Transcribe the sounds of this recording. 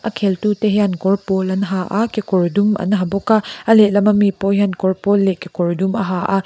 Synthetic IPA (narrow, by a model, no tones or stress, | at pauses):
ʔɐkʰeltuteɦjankɔɹpɔlɐnɦaʔakekɔɾdumɐ̰nɦɐbɔkaɐleʔlɐmɐmipɔjankɔɾpɔlːekekɔɹdumɐɦaʔa